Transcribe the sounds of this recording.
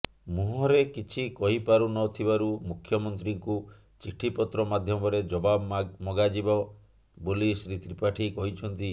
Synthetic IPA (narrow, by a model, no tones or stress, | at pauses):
muɦɔɾekit͡ʃʰikɔɦipaɾunɔt̪ʰibaɾumukʰːjɔmɔnt̪ɾiŋku | t͡ʃiʈʰipɔt̪ɾɔmad̪ʱjɔmɔɾed͡ʒɔbabmɔɡad͡ʒibɔ | bolisɾit̪ɾipaʈʰikɔɦit͡ʃʰɔnt̪i